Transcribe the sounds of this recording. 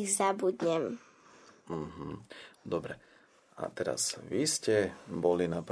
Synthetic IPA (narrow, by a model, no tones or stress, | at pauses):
ɣzabudɲɛm | m̩ɦm̩d̪ɔbɾɛ | a̰t̪ɛɾa̰z̥ʋiscɛbɔlinap